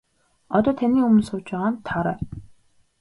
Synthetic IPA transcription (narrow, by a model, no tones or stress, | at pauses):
ɔt̪ɔːt̪ʰaniːumɵ̆nsʊːt͡ɕpæːʁaːnt̪ʰaɾæː